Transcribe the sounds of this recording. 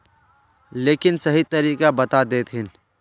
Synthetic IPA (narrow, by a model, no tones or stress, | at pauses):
leːkɪnsɐɦit̪ɐɾiːkabɐt̪ad̪eːt̪ɦɪn